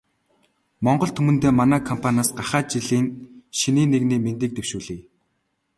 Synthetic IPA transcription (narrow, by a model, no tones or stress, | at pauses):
mɔɴɢɞ̆ɮt̪ʰɵmɵ̆nt̪eːmanæːkʰɔmpʰanaːsɢaχæːt͡ɕiɮiːnʃiniːneɣniːment̪ĭːk̚t̪ewʃuːɮiː